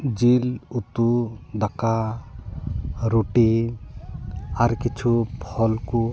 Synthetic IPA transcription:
d͡ʒilut̪ud̪aka | ɾoʈi | aɾkit͡ʃʰupʰɔlku

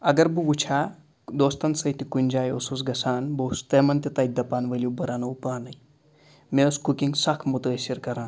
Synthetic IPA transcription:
ɐɡɐɾbuɡut͡ʃʰa | d̪oːst̪ɐnsɐjt̪ikunʲd͡ʒaːjosusɡɐsaːnbost̪emɐnt̪it̪ɐjd̪ɐpaːnʋəlʲubɐɾanɐwpaːnɐj | meskukiŋɡsakʰmut̪əesiɾkɐɾãːn

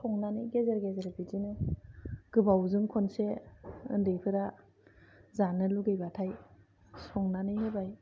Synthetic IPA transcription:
sʰɔŋnanɯjɡezeɾɡezeɾbizinɯ | ɡ̥ɯbawzɯŋkʰɔnseɯ̰ndɯjpʰɯɾa | zanɯluɡejbatʰaj | sɔŋnanɯjnɯbaj

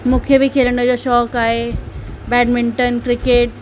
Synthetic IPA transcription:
mũːkʰebʱikʰeːləɳɖəd͡ʑoːʃɔːkaːɦe | bɛːɖmɪ̃ɳʈənkɾɪkeːʈ̚

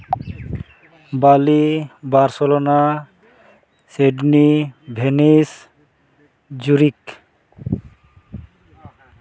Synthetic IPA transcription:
balibaɾselona | seɖnibʱenis | d͡ʑuɾik

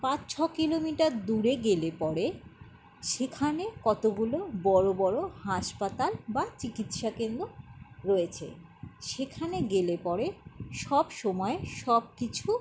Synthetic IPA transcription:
pãt͡ɕt͡ɕʰɔkilomiʈaɾd̪uɾeɡelepɔɾe | ʃekʰanekɔt̪oɡulobɔɾobɔɾohaʃpat̪albat͡ɕikit̪ʃakend̪ɾoɾɔet͡ɕʰḛ | ʃekʰaneɡelepɔɾeʃɔbʃɔmɔeʃɔb̚kit͡ɕʰu

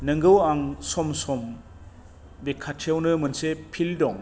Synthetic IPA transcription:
nɯŋɡɯwaŋsɔmsɔm | bekʰːatʰawnɯmɯnsepʰildɔŋ

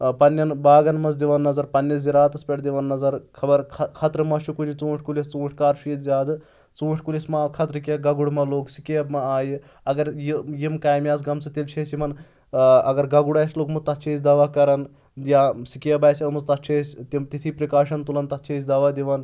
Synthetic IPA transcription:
pɐnːɐnbaːɡɐnmɐzd̪iʋɐnːɐzɐɾpɐnːjɐziɾaːt̪ɐspʲeʈʰd̪iʋɐnːɐzɐɾkʰɐbɐɾkʰɐkʰɐt̪ɾɨmɐʃʰukunʲit͡sũːʈʰkulist͡sũːʂʈʰkaːɾʃijt̪zʲjaːd̪ɨ | t͡sũːʂʰkulʲismakʰɐt̪ɾɨkʲɐɡɐɡuɽmɐloːksikʲeːbmɐaːji | ɐɡɐɾjijimkaːjmʲjaːs̬ɡɐmsɨt̪ilt͡ʃʰeːsjimɐn | ɐ̰ɡɐɾɡɐɡuɽaːjsloːkmuzt̪ɐt̪t͡ʃʰeːsʲd̪ɐʋaːkɐɾɐn | jasikeːbaːjsʲɐmɐzt̪ɐt̪̚t͡ʃʰeːsʲt̪imt̪it̪ʰipɾɐkaːʂɐnt̪ulɐnt̪ɐt̪t͡ʃʰeːs̬ʲd̪ɐʋaːd̪iʋan

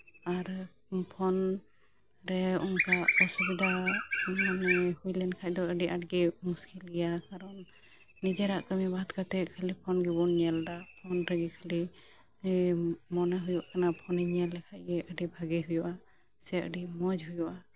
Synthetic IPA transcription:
aɾ | pʰɔn | ɾɛunkaɔsubid̪a | hujlɛnkʰac̚d̪ɔʔəɖiʔaʈ̚ɡɛmuskilijakaɾɔnː | id͡ʒɛɾaʔkəmibad̪kat̪ɛʔkʰəlipʰɔnɡɛbɔnɲɛld̪apʰɔnɾɛɡɛkʰali | mɔnaɦujɔʔkanapʰɔnɛɲalɛkʰaʔ̚ɡɛʔəɖibʱaɡɛɦujɔʔa | sɛʔə̰ɖimɔd͡ʒɦujuʔa

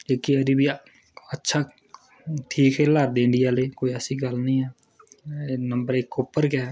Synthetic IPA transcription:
ekiəd̪ibiː | ətːʃʰaː | ʈʰiːkɛːləɾd̪ɪɳɖɪjaːleːkoːiːəsĩːɡəlnĩːɛː | nəmbəɾɪkːʊpːəɾkɛː

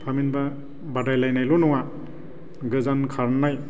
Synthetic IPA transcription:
pʰaminba | badajlajnajlonɔŋa | ɡɯzankʰaɾnaj

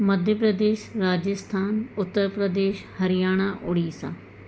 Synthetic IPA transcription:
məd̪ʱjəpɾəd̪eːʃɾaːd͡ʒəst̪ʰaːnʊt̪ːəɾpɾəd̪eːʃhəɾɪjaːɽ̃aːʔʊɽiːsã̰ː

